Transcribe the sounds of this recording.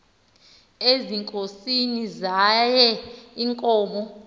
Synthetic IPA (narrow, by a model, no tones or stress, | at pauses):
eziŋkʼosinizajɛiŋkʼɔːmɔ